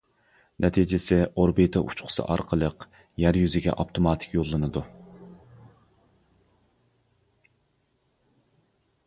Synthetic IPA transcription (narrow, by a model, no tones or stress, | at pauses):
nʔɛt̪ʰid͡ʒɪsɪoɾbit̪ʰɑʔṵt͡ʃqʰʊ̥sɨ̰ʔɑ̰ɾqʰəlˠəq | jæɾjyzɪɡʲɛ̰ʔopt̪ʰomɑt̪ʰɪ̥kʲjolˠːɨnɨd̪u